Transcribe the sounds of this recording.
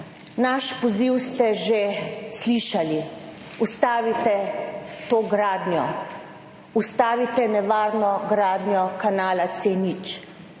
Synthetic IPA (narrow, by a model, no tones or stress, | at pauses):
naʃpɔziwst̪ɛʒesliːʃali | ust̪aːʋit̪ɛt̪oːɡɾaːd̪nʲjɔ | ust̪aːʋit̪ɛnɛʋaːɾnɔɡɾaːd̪njɔkanaːlat̪seːnit͡ʃ